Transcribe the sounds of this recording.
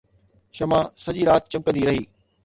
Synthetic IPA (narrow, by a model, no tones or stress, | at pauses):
ʃɐmãsɐʄiɾaːt̪̚t͡ɕɐ̃m̚kɐ̃nd̪iɾɐɦiː